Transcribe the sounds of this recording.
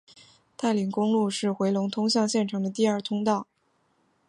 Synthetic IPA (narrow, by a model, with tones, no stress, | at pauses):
t̪a˥˩ɪli˧˥ŋkʊ˥ŋlu˥˧ʂɻ̩˥˩xwe˧˥ɪlʊ˧˥ŋt̪ʰʊ˥ŋɕjɑ˥˧ŋɕjɛ˥˩nʈ͡ʂʰɑ˨˥ŋd̪ə˧t̪i˥˧ɐ˞˥˩t̪ʰʊ˥ŋt̪ɑ˥˩ʊ